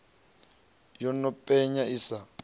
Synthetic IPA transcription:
jɔnɔpʼɛɲaisa

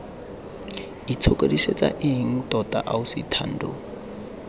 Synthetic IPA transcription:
it͡sʰokʼodiset͡sʼa̰ʔɪɦiŋ̩tʼɔtʼaʔausitʰan̩dʱo̰

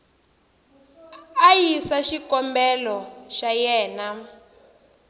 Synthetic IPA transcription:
ajisaʃikɔmbɛlɔʃajɛːna

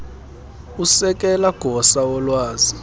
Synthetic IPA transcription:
usɛk̬ʼɛlaɡ̥ʱɔsaɔlwaːzi

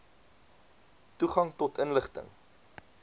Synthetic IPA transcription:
tuχɐŋtɔtənləχtə̰ŋ

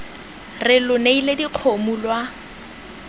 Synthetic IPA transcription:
rɪlʊneilediq͡χʰomulwa

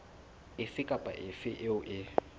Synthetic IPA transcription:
ɪfɪkʼapʼa̰ʔɪfɪʔɪʊʔɪ

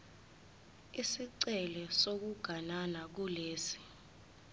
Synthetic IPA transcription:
isiǀɛlɛsok̬uɡ̥ʱananak̬uleːsi̥

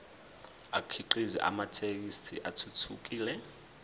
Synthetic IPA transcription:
akʰiǃizḭʔa̰matʰek̬istʰiʔatʰutʰuk̬ʼiːlɛ

